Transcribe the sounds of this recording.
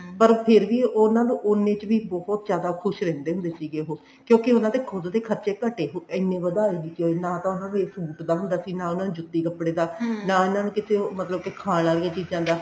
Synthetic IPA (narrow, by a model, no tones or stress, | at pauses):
pəɾpʰɪɾʋiːonãːnũːʔʊnẽːt͡ʃʋiːbɔɦɔt̪̚d͡ʒjaːd̪aːkʰʊʃɾɛ̃ːnd̪eːɦʊ̃nd̪eːsiːɡeːɦoː | kjõːkɪʊnãːt̪ekʰʊd̪d̪eːkʰəɾt͡ʃeːkəʈeːɦoːɪnːẽːʋəd̪aːeːɡiːkoːnaːt̪ãːʊnãːnũːeːsuːʈd̪aːɦʊnd̪aːsiːnãːʊnãːnũːd͡ʒʊt̪ːiːkəpːɽeːd̪aːnaːʊnãːnũːkɪseːmət̪ləb̚kɪkʰaːnaːɾiːaːt͡ʃiːd͡ʒãːd̪aː